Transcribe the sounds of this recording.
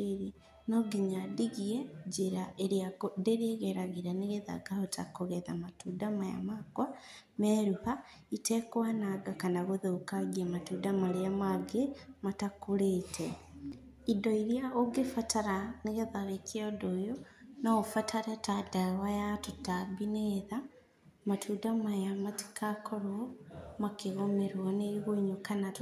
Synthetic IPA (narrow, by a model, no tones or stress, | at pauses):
ɾi | noɡiɲadiɣiɛd͡ʒiɾaʔeɾiaodeɾieɣeɾaɣiɾaneɣeða̰ɡahota̰koɣɛða̰matudamaja̰makwa | mɛɾuha | itɛkwanaɡakanaɣoðokaɣiamatudamaɾeamaɡematakoɾetʰɛ | idɔiɾjaoɡefatʰaɾaneɣeðaɾekeɔdojonaofatʰaɾetadawajatotabineða | matʰudamajamati̥kʰakɔɾwɔmakeɣomeɾwaneɾiɣoɲokanat